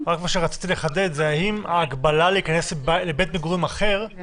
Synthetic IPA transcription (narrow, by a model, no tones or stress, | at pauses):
ʁakmaʃeʁat͡si̥t̪ile̞χad̪et̪zeajimaːɡbalaleikane̞sblebet̪meɡuʁimaχe̞ʁ